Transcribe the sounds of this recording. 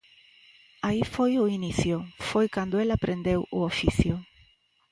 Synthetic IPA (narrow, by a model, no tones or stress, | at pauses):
aifojʊiniθjʊfojkand̪ʊelapɾend̪ewʊofiθjʊ